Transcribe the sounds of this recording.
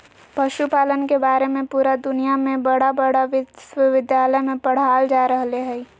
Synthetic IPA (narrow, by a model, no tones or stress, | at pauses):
pɐʃupaːlənkebaːɾemẽpuːɾad̪ʊnijamẽbɐɽabɐɽaʋɪswəʋɪd̪jaːləjmẽpəɽ̤aːld͡ʒaːɾəɦleɦɛi